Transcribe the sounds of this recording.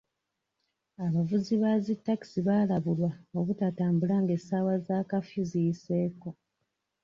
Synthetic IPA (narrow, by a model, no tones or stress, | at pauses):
aβavuziβazitːaki̥siβaːlaβulwaoβutataːmbulaŋɡesawazaːkafizijiseːko̞